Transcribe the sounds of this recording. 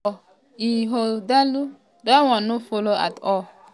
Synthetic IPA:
iɦodalu | dawɔ̃nːofoloa̰tɔ

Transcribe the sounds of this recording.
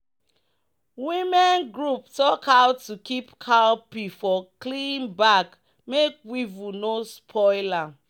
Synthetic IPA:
wimɛ̃nɡɹuptɔkaʊtːukipkʰalpifɔklĩmbak | mek̚wivunospʰɔɪla

